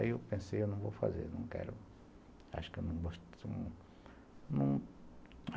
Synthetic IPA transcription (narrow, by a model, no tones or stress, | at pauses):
iewpẽsejewnɐ̃w̃vo̰wfa̰zḛɾnɐ̃w̃kɛ̰ɾʊ | a̰ʃʊ̥kewnɐ̃w̃boʃt̪ | nɐ̃w̃